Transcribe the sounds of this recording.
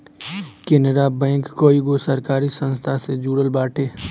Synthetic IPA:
keneɾabɛ̃ːŋkːoːiɡosəɾkaːɾisə̃nst̪ʰased͡ʒuːɽəlbaːʈʰeː

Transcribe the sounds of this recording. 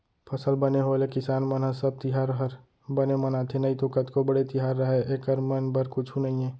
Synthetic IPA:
pʰəsəlbəneɦolekɪsaːnmənɦəsəb̚t̪ɪɦaɾɦəɾ | bənemənat̪ʰenəɦit̪okət̪kobəɽet̪ɪɦaːɾːəɦeʔekəɾmənbəɾkʊt͡ʃʰunəɦiẽː

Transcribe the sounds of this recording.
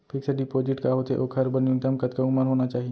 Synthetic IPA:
pʰiːkseɖipoːd͡ʒɪʈkaɦoːt̪eʔoːkʰɐɾbɐnjũnt̪əmkɐt̪kaumənɦoːnat͡ʃaːɦie

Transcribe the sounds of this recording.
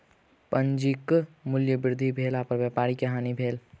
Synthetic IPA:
pə̃nd͡ʒikmʊljəbɪɾd̪ʱibʱeːlaːpəɾʋjaːpaːɾikɐɦaːnibʱeːl

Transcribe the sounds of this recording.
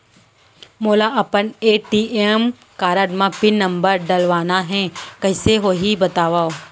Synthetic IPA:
moːlaʔɐpəneːʈiːem | kaːɾəɖmãpɪnːɐ̃mbəɾɖɐlʋaːnaɦɛ̃kɐɦɪseɦoːɦibɐt̪aːʋaːo

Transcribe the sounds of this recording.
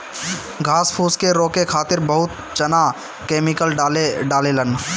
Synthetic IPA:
ɡʱaːspʰuːskeɾoːkekʰaːt̪ɪɾbɐɦʊt̪̚ | t͡ʃɐna | keːmɪkəlɖeɖaːlelən

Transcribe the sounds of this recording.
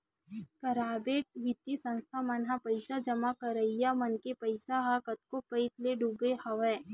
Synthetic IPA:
pɐɾaːbeːʈ̚ʋɪt̪isə̃nst̪ʰamɐnɦapəɪsad͡ʒɐmakəɾəijamɐnkepɐɪsaɦakət̪̚kopəɪt̪leɖuːbehɐʋɛ̃ː

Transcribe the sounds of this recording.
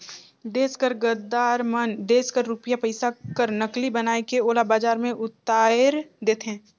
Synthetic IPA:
ɖeːskəɾɡəɾd̪aːɾmənɖ̪eːskəɾːuːpjapɐɪsakəɾnəklibɐnaːekeoːlabaːd͡ʒaːɾmẽʔʊt̪ːaːɪɾd̪eːt̪eɦɛ̃ː

